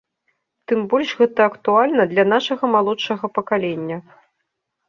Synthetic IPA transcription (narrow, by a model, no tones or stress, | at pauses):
t̪ɨmbɔlʲʐɣɛt̪ɐːkt̪ualʲnɐd̪lʲɐn̪aʂɐɣɐmalˠɔt͡ʂɐɣɐpɐkalʲenʲːɐ